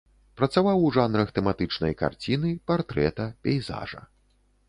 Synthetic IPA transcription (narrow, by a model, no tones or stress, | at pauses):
pɾɐt̪savawʐanɾɐxt̪ɛmat̪ɨt͡ʂnɐjka̰rt͡sʲinɨpart̪ɾɛt̪ɐpʲɛjza̰ʐɐ̰